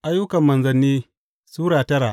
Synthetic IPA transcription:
ʔa˦jːʊ˦kɐ˨mːɐ˨nzɐ˨nːiː˦ | suː˦ɽaː˨tɐ˦ɾaː˨ʔ

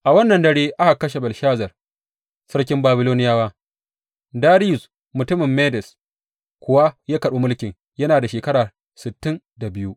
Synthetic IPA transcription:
ʔa˨wɐ˦nːɐ˨ndɐ˦ɽeː˦ʔa˦ha˨kːɐ˦ʃe˨bɐ˨lʃaː˦zɐ˨r | sɐ˦ɽkʲɪ˦mbaː˦bɪ˦loː˦nɪ˦jaː˦waː˦ | daː˦ɾi˦jʊ˨s | mʊ˨tʊ˦mɪ˨mːeː˦dɛ˨s | kʷʊ˨wa˦jaː˦kɐ˨ɗuː˦mʊ˦lkʲɪ˨ŋ | jɐ˦naː˨da˨ʃeː˨kɐ˦ɽaː˨ | sɪ˨tːɪ˦n | da˨bɪ˦ju˦ʔ

